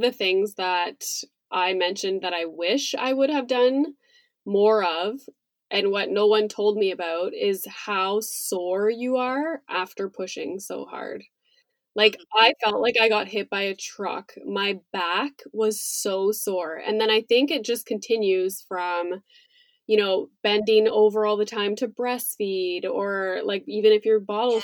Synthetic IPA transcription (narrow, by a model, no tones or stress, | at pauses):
ðɨθɪ̃ŋzðəɾ | ʔaɪmɛ̃nʃɨ̃nðɨɾaɪwɪʃa̰ɪwʊɾ̚ɨvdʌ̃n | mɔɹʌv | ʔɨ̃nwʌtⁿnoʊwʌ̃ntʰoʊlˠd̚miɨbaʊɾɪz̥haʊsɔɹjɨə˞ʔæftə˞pʰʊʃɪ̰̃ŋsoʊhɑ̰ɹd̥ | laɪkaɪfɑlˠʔlʔaɪkaɪɡɑt̚ɦɪt̚b̥aɪɨtʰɹ̥ʌ̰kmaɪb̥ækwʌz̥soʊsɔɹɨ̰̃nðɨ̃ɾ̃aɪθɪ̃ŋkɨt̚d̥ʒ̥ʌskʰn̩tʰɪ̃njʉz̥fɹʌ̃m | jɨɾ̃oʊb̥ɛ̃ndɪ̃ŋoʊvə˞ɔlˠðɨtʰãɪ̃mtʰɨbɹɛsfiɾə˞laɪkivɨ̃ñɨfjə˞bɑɾl̩ˠ